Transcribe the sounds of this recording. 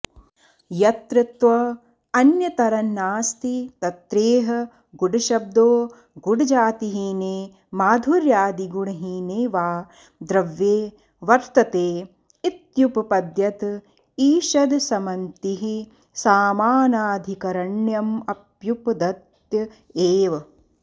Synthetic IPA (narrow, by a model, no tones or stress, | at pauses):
jɐt̪ɾɪt̪ʋɐ | ɐnjɐt̪ɐɾɐnːaːst̪it̪ɐt̪ɾeːɦɐ̆ | ɡuɽuʃɐb̚d̪oː | ɡuɽud͡ʒaːt̪iɦineː | maːd̪ʱuɾjaːd̪iɡuɳɐɦineːʋaː | d̪ɾɐʋjeː | ʋɐɾt̪ɐt̪eː | it̪juppɐd̪jɐt̪ | iːʃɐd̪sɐmɐnt̪iɦi | saːmaːnaːd̪ʱikɐɾɐɳjɐmɐpjupd̪ɐt̪ | jɐ | eːʋ